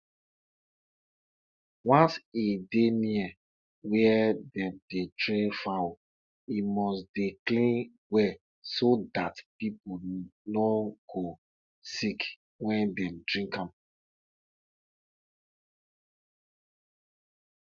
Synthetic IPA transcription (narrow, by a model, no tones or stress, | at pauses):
wãnsideniɛ | wɛɛdɛ̃mdetɹefaw | imɔsdeklĩn | wɛ | sodatpiponɔɡ̥o | sik | wɛ̃ndɛ̃mdɹĩŋkãm